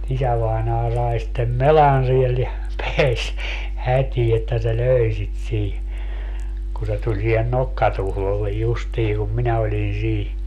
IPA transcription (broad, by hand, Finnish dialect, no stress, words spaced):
isæʋɑinɑː sɑi sitːem melɑn siel jɑ peæs hætʲiː etːæ se løˑi̯ sit siː ku se tulʲ siːhen nokːɑtuhlolːej justiː kum minæ olʲin siː